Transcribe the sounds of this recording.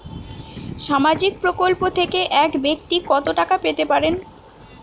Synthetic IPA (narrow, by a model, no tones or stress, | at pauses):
ʃamad͡ʑik̚pɾokolpot̪ʰekeʔɛkbek̚t̪ikɔt̪oʈakapet̪epaɾen